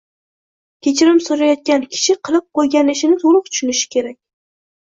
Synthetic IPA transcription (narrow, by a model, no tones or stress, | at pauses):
kʲʰe̞t͡ʃʰɪɾɪmsoɾajɒt̪̚kʲankʲʰɪ̥ʃɪqʰɨlˠɪp̚qʰojɡʲanɪʃɪnɪt̪ʰolˠʊq̚t̪ʰʊ̥ʃʊnɪʃɪ̥kʲe̞ɾakʲ